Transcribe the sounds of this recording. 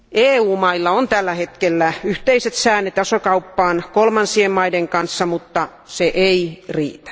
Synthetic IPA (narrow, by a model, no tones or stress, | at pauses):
ʔeːuːmɑilːɑont̪ælːæhet̪kelːæyht̪eiset̪sæːnːet̪ɑsokɑupːɑːnkolmɑnsiemmɑideŋkɑnsːɑmut̪ːɑ | seʔeirḭːt̪æ̥